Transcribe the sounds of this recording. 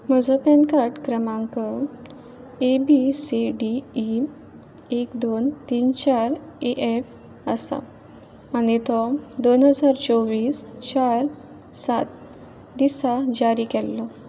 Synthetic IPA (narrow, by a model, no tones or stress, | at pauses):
m̤əd͡zɔpɛnkaɾʈkɾəmãŋkɔ | ebisiɖiː | ekd̪ont̪iːnt͡ɕaɾeʔef | əsa̰ | anit̪ɔd̪onɦəd͡zaɾt͡sɔʋiːst͡ɕaɾ | sat̪ | d̪isad͡ʑaɾikɛlːɔ